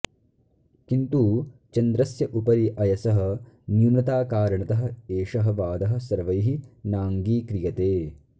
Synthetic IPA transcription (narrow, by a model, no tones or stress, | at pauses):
kint̪uːt͡ʃɐnd̪ɾɐsjɐʔupɐɾiʔɐjɐsɐɦɐ̆ | njuːnɐt̪aːkaːɾɐɳɐt̪ɐɦɐ̆eːʂɐɦɐ̆ʋaːd̪ɐɦɐ̆sɐɾʋɐjɦinaːŋɡiːkɾijɐt̪eː